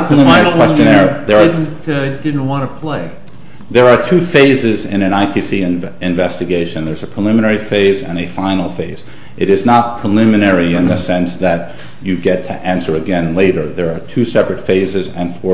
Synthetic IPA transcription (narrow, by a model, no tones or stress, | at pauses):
pʰɹ̥əlɪ̃mɛikwɛst͡ʃɨ̃nɛɹðə˞d̩tdɪdⁿn̩t̚wɑ̃nəpʰl̥eɪ | ðə˞ːtʰʉfeɪzɪzɪ̰̃nɨ̃naɪtʰisiɨ̃ɱvɛstɨɡeɪʃɨ̃nðə˞zəpʰɹ̥əlɪ̃mənɛɹifeɪzɨ̃nɨfãɪ̃nl̩ˠfeɪz̥ | ʔɨɾɨznət̚pʰɹ̥əlɪ̃mɨnɛɹiɪ̃nðɨsɛ̃nsðɨt͡ʃ | ɨɡɛtʰɨʔæ̃nsə˞ɨɡɛ̃nleɪɾə˞ðə˞ːtʰʉsɛpɹɨtfeɪzɨzɨ̃nfɔ